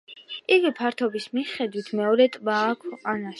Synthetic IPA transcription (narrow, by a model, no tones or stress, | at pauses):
ʔivipʰaɾt̪ʰɔbismiχɛd̪wit̪ʰmɛɔɾɛt̪ʼbaːkʰɛqʼanaʃ